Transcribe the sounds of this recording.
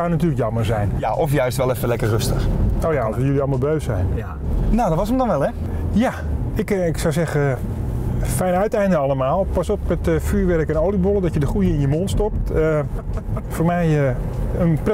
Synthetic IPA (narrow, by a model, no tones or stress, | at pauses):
awnatyːləkjɑmərzɛjnaʔɔfjœɥstʋɛlˠɛfəlɛkərrøstəxoːjaɔsʋəjøliɑlˠmalˠbøɥsɛ̰jn | nowdɔtʋɔsəmdɔnʋɛlˠɛ | ja | ɪkɪksawsɛɣə | fɛjnœɥtɛjndənɑlˠəmaːlˠpɑsɔpmɛtfyːɹʋɛrkənowlibolˠədɔtjədəχujəɪnjəmontstɔp̚tə | foːrmɛjəənpr